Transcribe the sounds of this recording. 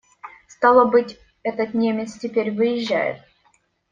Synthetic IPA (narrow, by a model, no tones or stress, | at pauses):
st̪ɑlˠəbɨtʲ | ɛt̪ət̪nʲemʲɪt̪stʲɪpʲeɾʲvɨjɪʑʲːæ̰jɪ̰t̪̚